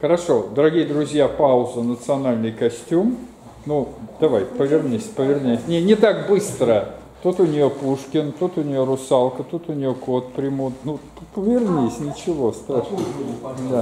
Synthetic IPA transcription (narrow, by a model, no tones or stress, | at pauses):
xəɾɐʂo̞d̪əɾɐɡʲijəd̪ɾʊzʲjapaʊzʊnət̪sɨɐnalʲnɨjkɐsʲtʲum | nud̪̥ɐvajpəvʲɪrnʲisʲpəvʲɪrnʲasʲnʲenʲɪt̪aɡbɨst̪ɾə | t̪ut̪ʊnʲɪjopuʂkʲɪnt̪ut̪ʊnʲɪjoɾʊsalˠkət̪ut̪ʊnʲɪjokot̪̚pɾʲɪmut̪nuppəvʲɪrnʲisʲnʲɪt͡ɕɪvo̞st̪ɾaʂnəd̪a